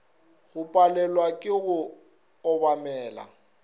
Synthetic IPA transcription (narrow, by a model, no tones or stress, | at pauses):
ɣʊpʼalɛlwakʼɪɣʊ | ɔbamɛːla̰